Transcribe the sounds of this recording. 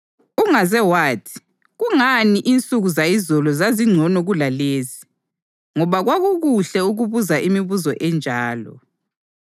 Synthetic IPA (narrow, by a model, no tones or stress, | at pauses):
uŋazɛwaːtʰi̥ | ɣuŋaniʔint͡sʼuɣuzaizɔlɔzaziŋ͡ǀʱɔnɔɣulaleːzi | ŋɔβaɣwaɣuɣuɬɛuɣuβuzaʔimiβuzɔʔɛnd͡ʒʱaːlɔ̰